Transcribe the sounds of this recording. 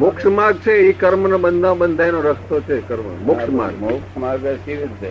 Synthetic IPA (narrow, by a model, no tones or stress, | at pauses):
mʊkʃmaɡ̚t͡ʃʰeikəɾmənabənd̪ʱãbənd̪ʱajnoɾəkʰt̪ot͡ʃʰekəɾmə̰mʊkʃma̰ɡʊkʃmaɡʋaʃiʋit̪̚t͡ʃe